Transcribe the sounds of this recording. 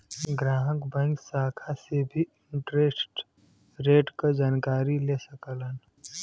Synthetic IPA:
ɡɾaːɦəkbɛ̃ŋksaːkʰasebʱiɪ̃ɳʈɾeːsʈ | ɾeːʈkad͡ʒaːnkaːɾilesəkələn

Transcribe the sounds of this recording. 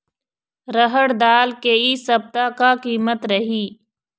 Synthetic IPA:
ɾəɦəɽd̪aːlkeisɐb̚t̪akakiːmət̪ɾəɦiː

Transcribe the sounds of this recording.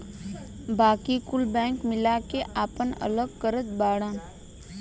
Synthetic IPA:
baːkikʊlbɛ̃ːŋkmɪlakeʔaːpənə̰ləɡkəɾət̪baːɽãː

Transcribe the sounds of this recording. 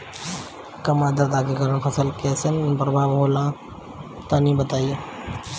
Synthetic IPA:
kɐmaːd̪əɾd̪aːkikɐɾənpʰɐsəlkesənpɾɐbʱaːʋɦoːlãː | t̪aːnĩbət̪aːije

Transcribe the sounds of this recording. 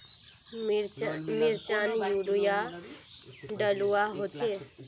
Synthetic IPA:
miɾt͡ʃanjuɽuja | ɖəluaɦot͡ʃʰe

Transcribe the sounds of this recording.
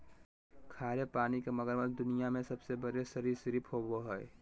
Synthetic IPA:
kʰaːɾepaːnikeməɡəɾməld̪ʊnijamẽsəbsebəɾesəɾiɾsɾipɦoboɦɛe

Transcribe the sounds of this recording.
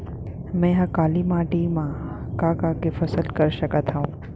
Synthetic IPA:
mɛ̃ɦãkaːlimaːʈimã | kaːkaːkefɐsəlkɐɾʃɐkət̪ʰaũː

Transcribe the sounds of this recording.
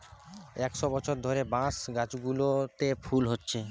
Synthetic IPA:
ɛkʃɔbɔt͡ɕʰoɾd̪ʱɔɾebãsɡãt͡ɕɡulot̪epʰulɦotːɕʰe

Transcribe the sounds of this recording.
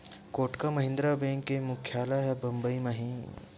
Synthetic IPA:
koːʈkamɐɦɪ̃nd̪ɾabẽːŋkːemʊkʰjaːlaɦɛbɐ̃mbəimɐɦĩ

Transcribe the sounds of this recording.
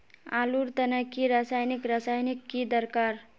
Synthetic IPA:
a̰luɾt̪ənəkːiɾasajnikɾasajnikːid̪əɾkaɾ

